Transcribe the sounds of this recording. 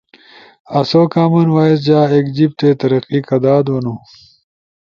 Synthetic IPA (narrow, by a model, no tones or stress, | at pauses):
ɐsokaːmunwaːis̬d͡ʑaːeːkd͡ʑib̚t̪eːt̪ɐɾɐqikɐd̪aːd̪wonu